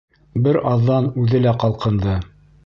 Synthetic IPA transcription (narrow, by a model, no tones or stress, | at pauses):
bɘɾɑðːɑnʉðɘlæqɑlˠqɤ̆nd̪ɤ